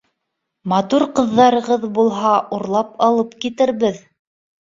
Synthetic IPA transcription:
mɑt̪uɾqɤ̆ðːɑɾɤ̆ʁɤðbulˠɦɑʔuɾlˠɑp̚ɑlˠɤpkit̪ɘ̆ɾβɘð

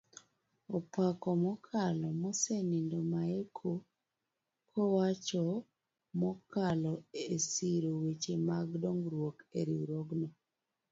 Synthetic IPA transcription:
ɔpakɔmɔkʰalɔmɔsenindomaekʰo | kʰɔwat͡ʃɔ | mɔkalɔesiɾowet͡ʃemaɡdoŋɡɾwokeɾiɾoɡnɔ

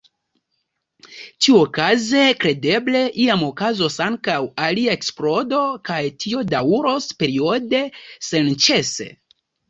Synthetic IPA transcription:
t͡ʃiuokaze̞kɾe̞de̞ble̞ʔiamo̞kazo̞saŋkawaliae̞ksplo̞do̞kajtʰio̞dawuɾo̞spe̞ɾio̞de̞se̞nt͡ʃe̞se̞̰

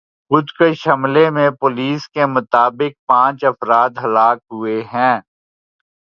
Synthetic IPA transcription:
xʊd̪keʃɐmlemẽpoːliːskemʊt̪aːbɪk̚pãːt͡ʃɐfɾaːd̪ɦɐlaːkɦʊeɦɛ̃ː

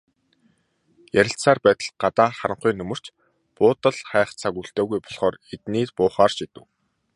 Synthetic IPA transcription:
jæɾʲɪ̆ɬt̪saːrpæːt̪ə̥̆ɮɢat̪aːχaɾə̆ɴχiːnɵmɵ̆r̥t͡ɕ | pʊːt̪ə̆ɮχæːχt͡sʰaɣuːɬt̪œːɣujpɔɮχɔːɾet̪niːrpʊːχaːrʃit̪ɘ̆w

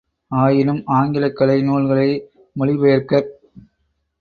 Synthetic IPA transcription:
aːjɪlɯmaːŋɡɪlɐkːɐlɐɪnoːlɣɐɭɐɪ | mɐɭɪʋɐjɐɾkɐɾ

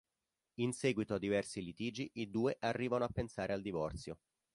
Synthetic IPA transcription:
insɛːɡwit̪oad̪ːivɛrsilit̪iːd͡ʒiʔid̪uːeʔarːiːvanoapːensaːɾʔeald̪ivɔrt̪sjo

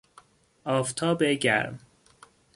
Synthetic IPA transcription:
ɒːft̪ʰɒːbeɟæ̰ɾm

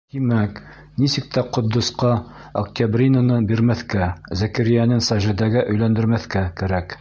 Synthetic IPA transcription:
t̪imæk | nisɘk̚t̪æqŏd̪ːŏsqɑ | ɐk̚t̪ʲabrʲinanɤbiɾmæθkæzækɘɾijænɘnsɑʒɘ̆d̪æɡɘʔɵ̆jlænd̪ɘ̆ɾmæθkækæɾæk

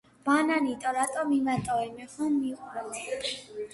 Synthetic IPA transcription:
b̥ananit̪ʼɔɾat̪ʼɔmimat̪ʼɔwɛnmɛχanmiqʼuɾɔ

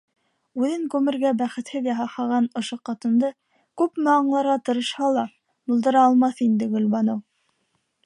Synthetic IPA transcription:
ʉðɘŋkʉmɘ̆ɾɡæbæχɘ̆t̪hɘðjɑɦɑhɑʁɑnŏʃoqɑt̪ɤ̆nd̪ɤ | kʉpmɘɑɴlˠɑɾʁɑt̪ɤ̆ɾɤ̆ʃhɑlˠɑ | bŏlˠd̪ɤ̆ɾɑːlˠmɑθind̪ɘɡɵ̆lbɑnow

